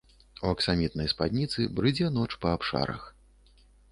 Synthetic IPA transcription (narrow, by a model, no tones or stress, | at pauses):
uɐksamʲit̪̚nɐjspad̪ʲnʲit̪sɨbɾɨd͡zʲɛn̪ɔt͡ʂpɐapʂa̰ɾɐ̰x